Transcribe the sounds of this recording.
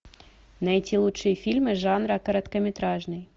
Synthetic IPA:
nɐjt̪ʲʰilˠutʂɨjəfʲilʲmɨʐɑnɾɐkɐɾɐt̪kɐmʲɪt̪ɾaʐnɨj

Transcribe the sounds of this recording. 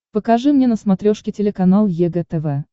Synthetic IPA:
pəkɐʐɨmnʲenəsmɐt̪ɾʲoʂkʲɪtʲɪlʲɪkɐnalˠjɛɡɛt̪ɛvɛ

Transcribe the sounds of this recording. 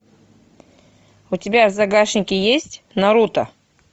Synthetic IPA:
ʊtʲɪbʲazɐɡaʂnʲɪkʲɪjesʲtʲ | nɐɾut̪ə̰

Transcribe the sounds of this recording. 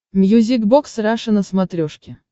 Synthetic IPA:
mʲjuzʲiɡbɔksɾaʂɨnəsmat̪ɾʲɔʂkʲɪ

